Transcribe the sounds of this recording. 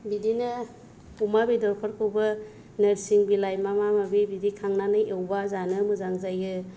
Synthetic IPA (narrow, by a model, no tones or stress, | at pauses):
bidinɐ | umabidɔɾpʰɔɾkʰɯwbɐ | nɐɾsiŋbilajmamamabibidikʰaŋnanɯʔewbazanɯmɯzaŋzajɯ